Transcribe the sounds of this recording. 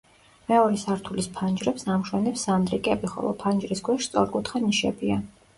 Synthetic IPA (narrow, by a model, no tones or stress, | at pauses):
mɛɔɾɛsaɾt̪ʰulispʰand͡ʒɾɛpsamʃwɛnɛpsamd̪ɾikʼɛbiχɔ̰lˠɔ̰pʰand͡ʒɾisɡwɛʃt̪sʼɔɾkʼut̪ʰχaniʃɛ̰bia